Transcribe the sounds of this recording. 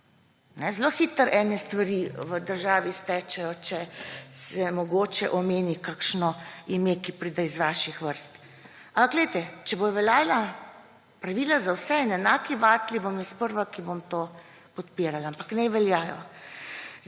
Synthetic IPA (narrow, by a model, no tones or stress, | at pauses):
nɛzloːxit̪əɾʔɛnɛst̪ʋaɾiʋəd̪əɾʒaːʋist̪ɛt͡ʃɛjɔt͡ʃɛsɛmɔɡoːt͡ʃɛʔɔmeːnikakʃnɔimeːkipɾid̪ajzʋaːʃixʋəɾst̪ | ampakɡlɛjt̪ɛt͡ʃɛbojʋɛlaːla | pɾaʋilazawsɛɛnɛnaːkiʋaːt̪libomjɛspəɾʋakibomt̪oː | pɔt̪piːɾalaampaknɛʋɛljaːjɔ̰